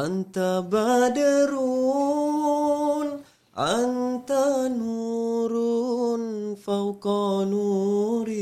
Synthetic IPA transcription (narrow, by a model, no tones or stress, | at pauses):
ant̪abadəɾu | n | ʔant̪anuɾunfawkɔnuɾi